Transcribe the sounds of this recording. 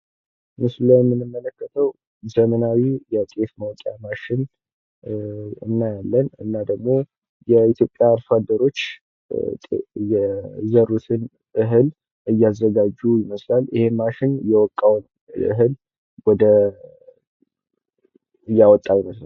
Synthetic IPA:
mɨsləjɛmːɨnːɨmːələkːət̪ʰəw | zəmənawijɛt̪ʼe̞fməwk̪ʼjamaʃɪn | ɨ̰nːajalːənɨnːad̪əɡmo̞ | jɛit̪jo̞pʼːjaːɾfad̪əɾo̞t͡ʃː | t̪ʼjɛzəɾut̪ʰɨn | ɨɦɨl | ɨjːazːəɡad͡ʒujiməslalɪhe̞maʃɪnjɛwɔkʼːawn | ɨ̰ɦɨl | wɔd̪ə | ɨjːawɔt̪ʼːajiməsla

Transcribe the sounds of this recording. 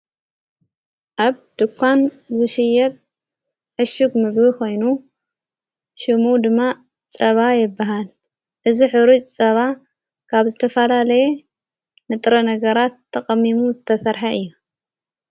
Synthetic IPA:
ʔaβd̪̥ɨkʷʰːan | zɨʃɪjɛt̪̚ʼ | ʕɨʃuɡmɨɡbikʰo̞jnu | ʃɨmud̪ɨmːa | t͡sʼɐβajɪbːaɦal | ʔɨziħɨɾit͡ʃʼt͡sʼɐβa | kʰaβzɨt̪ʰɐfɐlalɐje | nɨt̪ʼɾɐnɐɡɐɾat̪ʰːɐkʼɐmːimuzɨt̪ʰɐsɐɾħaʔɨjːu

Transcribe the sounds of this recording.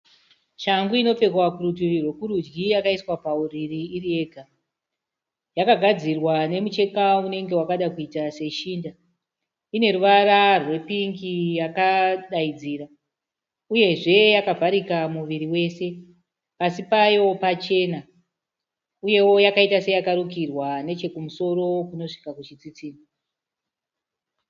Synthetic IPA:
ʃaŋɡuino̞p͡fe̞kwakuruturirwe̞kuɾud͡ʒɡijakaiswapauririːrie̞ɡʱa | jakaɡʱad͡zirwane̞mut͡ʃe̞kaune̞ŋɡe̞wakaɗakuitase̞ʃiːnda | ine̞ɾuʋaɾarwe̞piŋɡijakaɗaid͡ziːra | uje̞ʐe̞jakavʱaɾikamuʋiɾiwe̞se̞ | pasipajo̞pat͡ʃe̞na | uje̞wo̞jakaitase̞jakaɾukirwane̞t͡ʃe̞kumuso̞ɾo̞kuno̞ʂi̥kakut͡ʃit͡sit͡siːni

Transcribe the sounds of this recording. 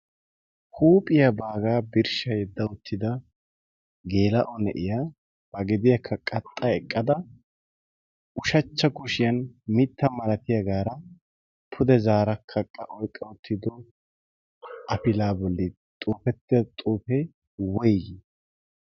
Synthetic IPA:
huːpʼɪjɐbaːɡaːbɪɾʃɐjɛd̪ːɐʊt̪ʰːɪd̪ɐ | ɡe̞ːlɐʔɔnɛʔɪja | b̥ɐɡɛd̪ɪjɐkʰːɐkʼɐt̪ʼːɐɛkʼːɐd̪ɐ | ʊʃɐt͡ʃːɐkʊʃɪjɐnmɪt̪ːɐmɐlɐt̪ɪjɐɡaːɾɐ | pʰʊd̪ɛzaːɾɐkʰːɐkʼːɐʔɔjkʼːɐʊt̪ʰːɪd̪ɔ | ʔɐfɪlaːbɔlːɪ | t̪ʼuːfɛt̪ːɪɐt̪ʼuːpɛ | wɔjɡ

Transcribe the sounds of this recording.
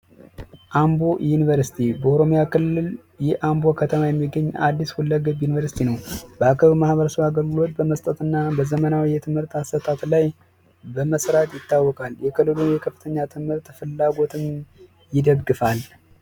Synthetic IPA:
ʔambo̞junivəɾsi̥t̪ʰibəoɾo̞mojakʰɨlːɨl | jɛʔambo̞kʰət̪ʰəmajɛmːiɡːəɲːʔa̰d̪ːishulːəɡəbjunivəɾsi̥t̪ʰinəwbəakʰəβmahbəɾəsəβaɡəlɡɨlo̞t̪bəməst̪ʼət̪ɨnːabəzəmənawijɛt̪ʰɨmhɨɾt̪asət̪ʰat̪laj | bəməsɾat̪jɪt̪ːawːɔkʼaljɛkʰɨlːɨlunjɛkʰəfːɨ̥t̪ʰəɲːat̪ʰɨmhɨɾt̪fɨlːaɡo̞t̪ʰɨm | jɪd̪əɡːɨfal

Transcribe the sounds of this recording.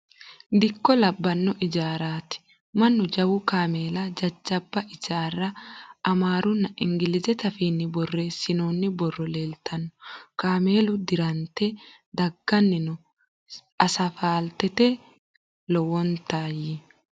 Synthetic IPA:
d̪ɪkːɔlɐbːɐnːɔʔɪd͡ʒaːɾaːt̪ɪ̥ | mɐnːʊd͡ʒɐwʊkaːme̞ːlɐd͡ʒɐd͡ʒːɐbːɐʔɪd͡ʒaːrːɐʔɐmaːɾʊnːɐʔɪŋɡɪlɪzɛt̪ɐfiːnːɪbɔrːe̞ːsːɪnoːnːɪbɔrːɔle̞ːlt̪ʰɐnːɔkaːme̞ːlʊd̪ɪɾɐnt̪ɛ | d̪ɐɡːɐnːɪnʊ | ɐsɐfaːlt̪ɛt̪ɛ | lɔwɔnt̪aːjɪ

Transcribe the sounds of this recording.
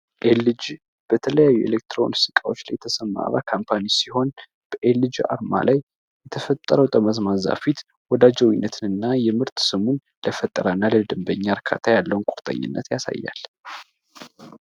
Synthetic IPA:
ʔelːɨd͡ʒ | b̥ət̪ʰələjajːuʔḛlek̚t̪ɾo̰nɨst̪ikʼawo̞t͡ʃːlajɛt̪ʰəsəmːa̰βa̰kʰampʰanisiho̞n | b̥əʔelːɨd͡ʒʔa̰ɾma̰laj | jːɛt̪ʰəfət̪ʼːəɾəwt̪ʼəməzmaza̰fit̪ | wɔd̪ad͡ʒəwinːət̪ʰɨnɨnːajɛmɨɾt̪sɨmun | ləfət̪ʼːəɾanːaləd̪ɨmbəɲːaɾkʰa̰t̪ʰajalːəwnkʼuɾt̪ʼə̰ɲːɨ̰nːə̰t̪jasa̰jːa̰l

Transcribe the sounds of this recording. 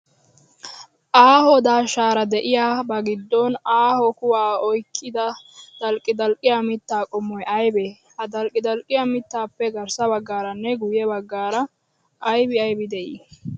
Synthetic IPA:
ʔaːhɔd̪aːʃaːɾɐd̪ɛʔɪjaːbɐɡɪd̪ːɔnaːhɔkʊwaːɔjkʰːɪd̪ɐd̪̥ɐlkʼːɪd̪ɐlkʼːɪjamɪt̪ːaːkʼɔmːɔjʔɐjbe | hɐd̪ɐlkʼɪd̪ɐlkʼːɪjamɪt̪ːaːpːɛɡɐɾsɐbɐɡːaːɾɐnːɛɡʊjɛbɐɡːaːɾɐ | ʔɐjbɪɐjbɪd̪ɛʔḭː

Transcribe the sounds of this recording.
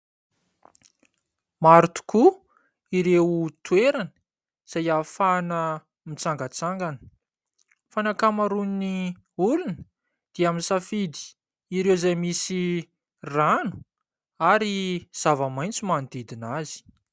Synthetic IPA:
maɾut̪u̥ku | iɾewut̪ueɾanə̥ | z̥ajafanə | mit͡saŋɡət͡saŋɡanə | fanakamaɾunni | ulunə | d̪̥iaminsafid̪i̥ː | ɾewzajmisi | ranu̥ | aɾiz̥avamajnt͡simand̪id̪inazi̥

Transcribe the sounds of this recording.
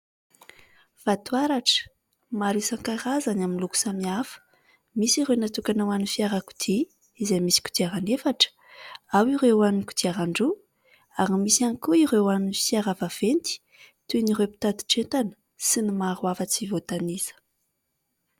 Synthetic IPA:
v̥at̪uaɾaʈ͡ʂə̥ | maɾisaŋkaɾazanaminluku̥samiafə̥ | misiɾewnat̪ukanawanifiaɾaku̥d̪̥iː | zejmisi̥ku̥d̪iaɾanefaʈ͡ʂə̥ | awiɾewanku̥d̪iaɾaɳɖ͡ʐu | aɾimisianikuiɾewanifiaɾavav̥ent̪i̥ | t̪uniɾepi̥t̪ad̪i̥ʈ͡ʂent̪anə̥ | sinimaɾwafət͡sivot̪anizə̥

